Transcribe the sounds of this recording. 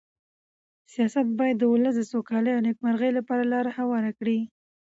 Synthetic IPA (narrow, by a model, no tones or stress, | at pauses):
sijɑsat̪̚bɑjad̪ːəwolas̬d̪əsokɑləjawnek̚maɾɣəjlapɑɾalɑɾahawɑɾakɽi